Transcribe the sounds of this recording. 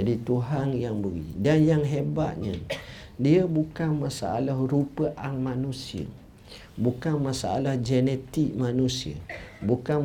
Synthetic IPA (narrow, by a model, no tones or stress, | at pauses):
adit̪uɦanjaŋbəɾḭdanjaŋɦeba̰t̪̚ɲə̰ | diəbukanmasa̰alahɾupəʔaŋmanusiə̰ | bukanmãsaa̰lahd͡ʒɛnet̪ik̚manusiə̰bukan